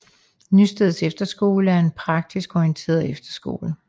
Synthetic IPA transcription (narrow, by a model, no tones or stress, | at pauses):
nysd̥eðˠsefd̥ɐsɡ̥o̝̰ːləæɐe̝npʰʁɑ̈ɡ̥̚d̥isɡ̥ɒiənt͡sʰe̝̰ɐðˠefd̥ɐsɡ̥o̝̰ːlə